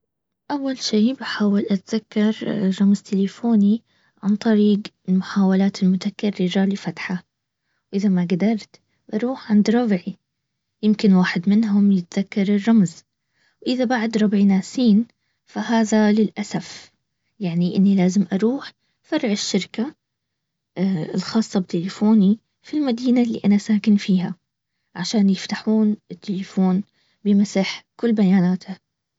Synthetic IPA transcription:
ʔawːalʃiːbħaːwɪlʔat̪ðakːɑɾˤrˤːɑmzt̪ʰɪlɪfoːni | ʕant̪ˤɑɾiːɡɪlmʊħaːwalaːt̪ɪlmʊt̪akɪrːɪɾalifat̪ħa | wʔɪðamaɡad̪ɑɾˤt̪ | bɑɾˤuːħʕand̪ɾˤɑbʕi | jɪmkɪnwaːħɪd̪mɪnɦʊmjɪt̪ðakːɑɾˤɪrˤːɑmz | wʔɪðabaʕd̪ɾˤɑbʕinaːsiːn | fahaːðalɪlʔasaf | jaʕniʔɪ̰nːilaːzɪmʔɑɾˤuːħ | fɑrˤːʕɪʃːɪɾka | ɪ̰lxɑːsˤːɑb̚t̪ɪlɪfoːni | filmad̪iːnalːḭʔanaʔsaːkɪnfiːha̰ | ʕaʃaːnjɪft̪aħuːnɪt̪ːelɪfoːn | bɪmasaħkʊlːbajaːnaːt̪a

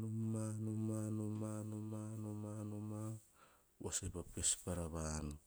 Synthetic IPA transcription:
numanumanomanomanomanoma | wasepapespaɾaβano

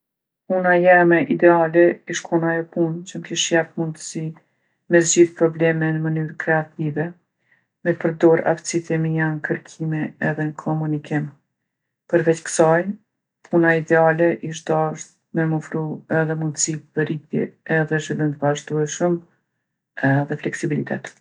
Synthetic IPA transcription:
punajɛmɛʔid̪ɛalɛiʃkʰunaɛpunt͡ɕəmkiʃjaft̪mund̪əsi | mɛs̬d͡ʑiθpɾɔblɛmɛnəmənyɾkɾɛat̪ivɛ | mɛpəɾd̪ɔɾa̰ft͡sit̪ɛmijankəɾkʰimɛɛðɛnkʰɔmunikim | pəɾvɛt͡ɕkə̥saj | pʰunaid̪ɛalɛʔiʃ̬d̪aʃt̪ | mɛmɔfɾuɛðɛmund̪əsipəɾit̪jɛ̰ɛðɛʒvilˠimt̪əvaʒd̪uɛʃəm | ɛðɛflɛksibilit̪ɛ̰t̪

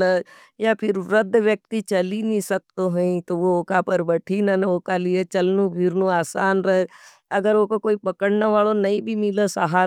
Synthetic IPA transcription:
ə | japʰɪɾɾəd̪ʱːʋjək̚t̪it͡ʃɐlinĩsɐk̚t̪oɦəĩt̪oʋooːkapɐɾbəʈʰinənoːkaliet͡ʃɐlnũbʱɪɾnũaːsaːnɾəɦe | ɐɡəɾoːkokoːipɐkəɽnəʋaːɭonɐĩbʱimɪləsaɦa

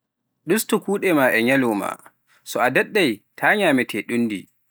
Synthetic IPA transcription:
ɗustukuːɗɛmaʔɛɲalɔma̰ | sɔadɛɗːajtʰaːɲaːmɛtʰɛɗunːdḭ

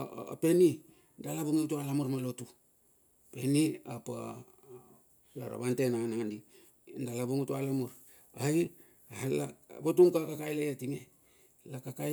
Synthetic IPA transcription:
pe̞ni | ndalaβuŋiutualamuɾmalotu | peniapa̰ | la̰ɾa̰βantenaŋanaŋandi | ndalabuŋutualamuɾ | aj | labotuŋkakakajlajatiŋe | lakaka

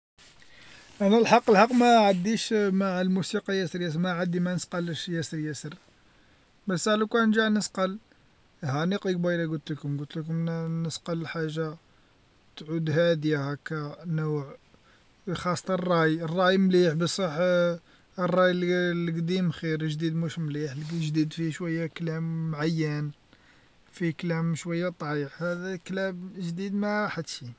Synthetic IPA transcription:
ʔænælħɑqːəlhɑqːmæʕad̪ːiʃmaʕlmusiqɑjæsəɾjæs̬mæʕad̪imænəsqɑlʃjæsəɾjæsəɾ | bæsaʕlukænʒaʕnəsqɑl | hæniqik̚biɾɑɡʊlt̪ləkʊmɡʊlt̪ləkʊmnəsqɑlħaʒːa | t̪ʕud̪hæd̪jahækænuʕ | xɑsˤt̪ˤɑrˤːɑjərˤːɑjmliħbəsˤəħ | rˤːɑjllɡd̪imxiɾʒd̪id̪muʃmliħlʒd̪id̪fiʃwəjːaklæmːʕajːən | fiklæmʃwəjːat̪ˤʕiħhæd̪æklæbʒd̪id̪mæħat̪ʃi

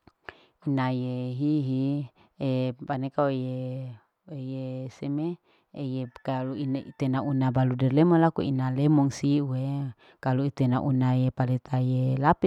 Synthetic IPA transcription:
inajeɦiɦi | epanekaweje | ejesemeː | jekaluinit̪enaunabaludɛrlɛmɔlakuinalemɔŋsiue | kaluit̪enaʔunajepalet̪ʰajelapi

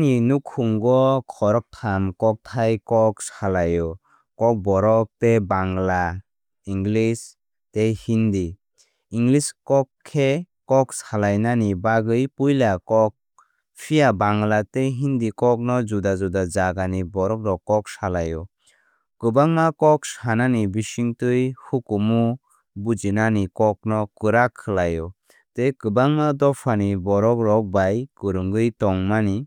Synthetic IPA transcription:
ninukʰːuŋɡɔkʰɔɾɔk̚tʰamkɔk̚tʰajkɔk̚salajɔ | kɔk̚bɔɾɔk̚tebaŋla | iŋɡlis | tejhindi | iŋɡliskɔkʰːe | kɔk̚salajnanibaɡɯjpujlakɔk̚ | pʰijabaŋlateɦindikɔk̚nɔzudazudad͡ʒaɡanibɔɾɔk̚ɾɔkːɔk̚salajɔ | kɯbaŋmakɔk̚shananibisiŋtɯjhukumu | bud͡ʒinanikɔk̚nɔkɯɾakʰːɯlajɔ | tekɯbaŋmadɔpʰanibɔɾɔkɾɔk̚bajkɯɾɯŋɡɯjtɔŋmani

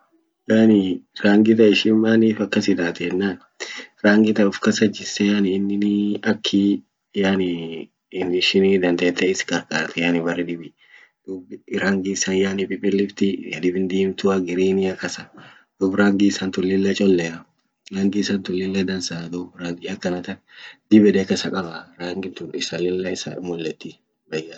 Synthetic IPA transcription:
jaːnɪɾaːŋɡɪt̪̬ɐɪʃɪmːaːniːfɐkːɐsɪd̪aːt̪ɛnːaːn | ɾaːŋɡɪt̪ɐʊfkɐsɐd͡ʒɪsɛjanɪːnːɪnɪɐkʰːi | jaːnɪ | nɪʃɪnid̪ɐnd̪eːt̪ːɛɪskʼɐɾkʼa̰ːɾt̪ɛjanɪbɐrɛd̪ɪbɪ | d̪̥ʊbɾaŋɡɪsɐnjanɪpʼɪpʼɪlːɪft̪ɪjɐ̰d̪ɪbɪnd̪iːmt̪ʊɐɡɪɾiːnɪjɐkːɐsɐ | d̪̥ʊbɾaːŋɡɪsɐnt̪ʊlːɪlːɛt͡ʃʼɔlːɛɐ | ɾɐŋɡɪsɐnt̪ʊlːɪlːɛd̪ɐnsad̪ʊbɾaŋɡɪɐkːɐnɐt̪ɐnd̪ɪbɛᶑ̪ɛkɐsɐkʼɐbɐɾaːŋɡɪnt̪ʊnɪsɐlɪlːɐɪsɐ̰mʊlːɛt̪ːɪ | bɐjɐ

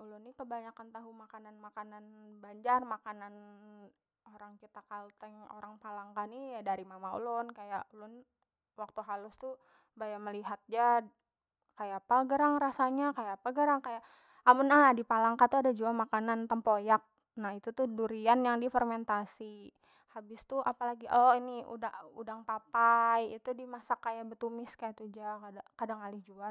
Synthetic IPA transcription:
ulʊnːikəbaɲakant̪aɦumakananmakananbaɲd͡ʒarmakanan | oɾaŋkit̪akalt̪əŋo̰ɾaŋpalaŋkanijadaɾimamaṵlʊnkajaʔulʊn | wak̚t̪uɦalʊst̪u | bajaməliɦat̪̚d͡ʒa | kajapaɡəɾaŋɾasaɲakajapaɡəɾaŋkajaʔ | amʊnanadipalaŋkat̪uadad͡ʒuamakanant̪əmpojak̚ | nahit̪ut̪uduɾianjaŋdifərmɛnt̪asi | habɪst̪uʔapalaɡiʔɔiniṵdaṵdaŋpapajit̪udimasakːajabət̪umɪskajat̪ud͡ʒakadakadaŋkalɪhd͡ʒua

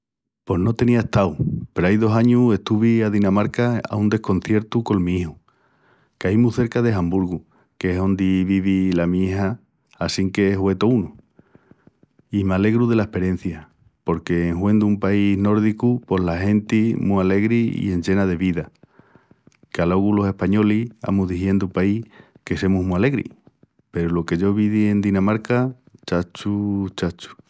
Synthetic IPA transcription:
po̞no̞t̪e̞niaeht̪awpe̞ɾoajðo̞saɲue̞ht̪uβiaðinamaɾkaa̰und̪e̞hko̞n̟θje̞ɾt̪uko̞lmĩihu | kaimuθe̞ɾkaðe̞ɦambuɾɣu | keɦo̞nd̪iβiβilamieɦaː | siŋke̞eɦwe̞t̪o̞unu | imale̞ɣɾuðe̞laehpe̞ɾe̞n̟θja | po̞ɾke̞ːŋɦwe̞nd̪umpaizno̞ɾðikupo̞ɦlaɦe̞nt̪imuale̞ɣɾiḭe̞nd͡ʒe̞nað̞e̞βiða | kalo̞ɣulo̞se̞hpaɲo̞lia̰muɦðiθje̞nd̪upai | ke̞se̞muɦmuale̞ɣɾḭ | pe̞ɾulo̞ke̞ʝo̞βiðie̞nd̪inãmaɾka | t͡ʃat͡ʃut͡ʃat͡ʃu̥

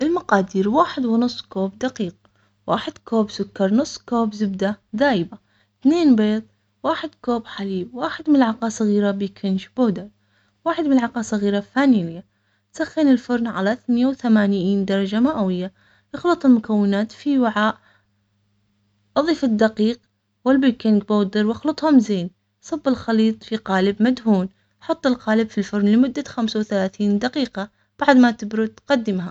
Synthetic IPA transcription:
ʔɪlmɑqɑːd̪iːɾwaːħɪd̪wɪnʊsˤːkoːbd̪aqiːq̚ | wa̰ːħɪd̪̥koːbsʊkːɑɾˤnʊsˤːkoːbzɪbd̪ad̪aːjɪba | θneːnbeːt̪ˤ | waːħɪd̪koːbħaliːbwaːħɪd̪mɪnɪlʕɑqɑːsˤɑɣiːɾabiːkʰɪnʃboːd̪ɑɾ | waːħɪd̪mɪnlʕɑqɑːsˤɑɣiːɾafaːnilja | t̪saxːɪnɪlfʊɾˤnʕa̰laθnɪjawθamaːnjiːnd̪ɑɾˤɑd͡ʒamaʔawɪjːa | ʔɪxlɨt̪ˤʊlmʊkawːɪnaːt̪fiwaʕaːʔ | ʔɑðˤiːfɪd̪ːaqiːq̚ | wɪlbikɪnɡboːd̪ɪɾwɑxlɨt̪ˤhʊmzeːn | sˤɑbːɪlxɑliːt̪ˤfiqaːlɪbmad̪ɦuːn | ħɑt̪ˤːɪlqaːlɪbfilfʊɾˤnlɪmʊd̪ːaxamsawθalaːθiːnd̪aqiːqa | b̥aʕd̪mat̪ɪbɾʊt̪qɑd̪ːɪmɦa

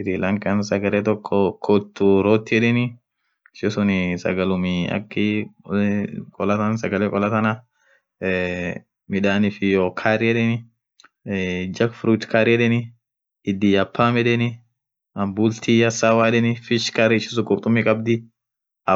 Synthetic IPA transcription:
ɪɾilɐŋkʼɐnsɐɡɐleːt̪ɔkʰːɔkʰɔt̪ːʊɾoːt̪ːɪɛᶑɛnɪ | ɪʃɪsʊnɪsɐ̰ɡɐlʊmɪɐ̰kːɪ | kʼɔlɐt̪ɐnsɐɡɐlekʼɔlɐt̪ɐnɐ | mɪᶑaːnɪfɪjoːkʰaːɾɪɛᶑɛnɪ | d͡ʒɐkfɾut̪kaːɾɪɛᶑɛnɪ | ɪd̪ːijɐpʰːaːmɛᶑɛnɪ | ɐmbult̪ʰiɐsawaːᶑɛnɪfɪʃkaɾɪɪʃɪs̬ʊkʼʊɾt̪ʼʊmːikʼɐbd̪ɪ | ɐ

